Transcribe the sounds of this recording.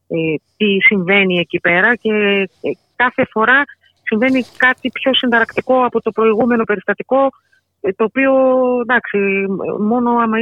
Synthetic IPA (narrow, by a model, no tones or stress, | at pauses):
t̪isiɱve̞nie̞cipe̞ɾɐce̞ | kɐθe̞fo̞ɾɐ | siɱve̞nikɐt̪ipço̞sind̪ɐɾɐkt̪iko̞ɐpo̞t̪o̞pɾo̞iɣume̞no̞pe̞ɾist̪ɐt̪iko̞ | t̪o̞ːpio̞d̪ɐksḭmo̞no̞ɐmɐ